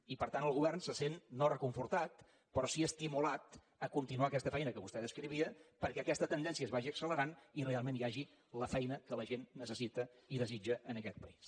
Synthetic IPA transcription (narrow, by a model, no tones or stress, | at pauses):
ipəɾt̪anəlˠɣuβɛrnsəsenːorəkuɱfuɾt̪at̪ | pɾɔsiəst̪imulat̪ | əkunt̪inuakɛst̪əfɛjnəkəβust̪ɛðəskɾiβiəpəɾkɛəkɛst̪ət̪ənd̪ɛnsiəzβaʒiəksələɾanirealˠmenjaʒi | ləfɛjnəkələʒenːəsəsit̪əiðəzid͡ʒəʔənəkɛt̪̚pəis